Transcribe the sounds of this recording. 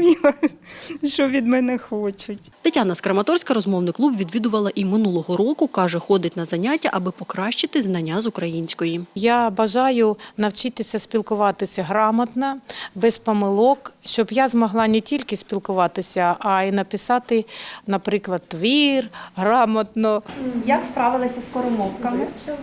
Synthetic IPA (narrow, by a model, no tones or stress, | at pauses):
ʃɔʋʲid̪mɛnɛxɔt͡ʃʊtʲt̪ɐtʲanɐskɾɐmɐt̪ɔrsʲkɐɾɔzmɔwnɪklˠubʋʲid̪ʋʲid̪ʊʋɐlˠɐʔimɪnulˠɔɦɔɾɔkʊkɑʒɛxɔd̪ɪtʲnɐzɐnʲatʲːɐʔɐbɪpɔkɾɑʃt͡ʃɪt̪ɪznɐnʲːazʊkɾɐjinʲsʲkɔjijabɐʒɑjʊnɐwt͡ʃit̪ɪsʲɐsʲpʲilˠkʊʋɑt̪ɪsʲɐɦɾɑmɐt̪nɐbɛspɔmɪlˠɔkʃt͡ʃɔbjazmɔɦlˠɑnetʲilʲkɪspʲilˠkʊʋɑt̪ɪsʲɐʔːinɐpɪsɑt̪ɪnɐpɾɪklˠɐd̪ʋirɦɾɑmɐt̪nɔjɐkspɾɑʋɪlˠɐsʲɐskɔɾʊmɔwkɐmɪ